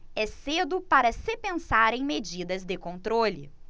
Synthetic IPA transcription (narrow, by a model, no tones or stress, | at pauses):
ɛsed̪ʊpaɾɐsɪpẽsaɾẽj̃med͡ʒid̪ɐzd̪ɪkõnt̪ɾolɪ̰